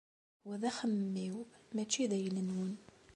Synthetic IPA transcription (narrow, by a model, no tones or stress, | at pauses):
wæðæxəmːiwmæt͡ʃːiðæjələnwən